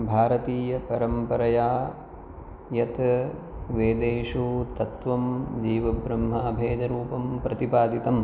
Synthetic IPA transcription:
bʱaːɾɐt̪iːjɐpɐɾɐmpɐɾɐjaː | jɐt̪ | ʋeːd̪eːʂut̪ɐt̪ʋɐmd͡ʒiːʋɐbɾɐmɦaːbʱeːd͡ʒɐɾuːpɐmpɾɐt̪ipaːd̪it̪ɐm

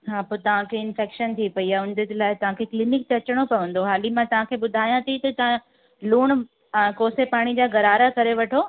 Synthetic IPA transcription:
ɦaːpot̪ɐʋ̤ãkʰeɪnfɛːkʃənt̪ʰipɐiaːʊ̃nd̪ʱɪd͡ʑlaːɪt̪ɐʋ̤ãkʰeːklɪnɪk̚t̪eɐt͡ɕɪɽ̃opɐʋə̃n̆d̪oɦaːlimãt̪ɐʋ̤ãkʰeːɓʊd̪ʱaːjãt̪ʰit̪ɐt̪ɐã | luːɽ̃ | koːsepaːɽ̃id͡ʑaːɡɐɾaːɾakɐɾeʋɐʈʰoː

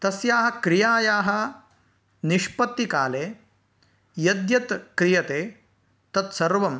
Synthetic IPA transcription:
t̪ɐsjaːɦɐ̆kɾijaːjaːɦɐ̆ | niʃpɐt̪ːikaːleː | jɐd̪jɐt̪kɾijɐt̪eː | t̪ɐt̪sɐɾʋɐm

